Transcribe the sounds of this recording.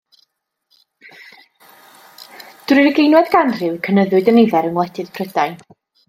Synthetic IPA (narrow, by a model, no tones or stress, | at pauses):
d̥rɨɾɡejnwɛdɡanrɨwkʰənəðʊɨdənɪvɛɾənwˠɛdʰɨðpʰrədaj